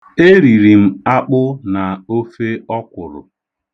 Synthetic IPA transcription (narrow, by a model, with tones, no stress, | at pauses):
e˦ɾi˨ɾi˨m̩˦a˦k͡pʊ˦na˨o˦fe˦ɔ˦kʷʊ˨ɾʊ̰˨